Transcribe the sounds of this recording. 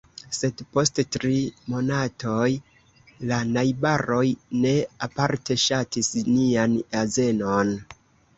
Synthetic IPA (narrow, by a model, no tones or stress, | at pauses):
se̞dpo̞sttɾimo̞natʰo̞j | lanajbaɾo̞jne̞apaɾte̞ʃatisnianaze̞no̞n